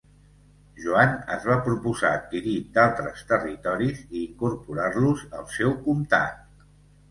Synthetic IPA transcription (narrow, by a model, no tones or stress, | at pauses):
ʒuanə̰zβapɾupuza̰ːt̪̚kiɾid̪alˠt̪ɾəst̪ərit̪ɔɾiziːŋkurpuɾarluzə̰lˠsɛwkumt̪a̰k̪̚